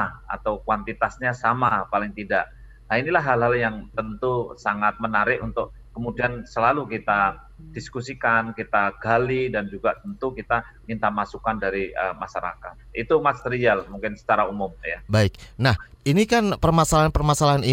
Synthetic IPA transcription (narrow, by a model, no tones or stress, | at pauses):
a̰t̪awkwant̪it̪asɲasamapalɪŋt̪idaʔ | nainilaɦːalɦaljaŋt̪ənt̪usaŋat̪̚mənaɾɪʔunt̪ʊk̚ | kəmudiansəlalukit̪a | d̥iskusikankit̪aɡ̥alidand͡ʒuɡat̪ənt̪ukit̪a | mint̪amasukandaɾiəmaʃaɾa̰kat̪̚ḭt̪umast̪ɾialmuŋkɪnsə̥t͡ʃaɾaumʊmjabaɪk̚nah | inikanpərmasalaɦanpərmasalaɦani